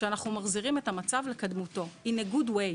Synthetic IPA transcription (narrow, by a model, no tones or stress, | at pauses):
anaχnumaχziʁime̞tamat͡savle̞kadmuto̞ineɡudwe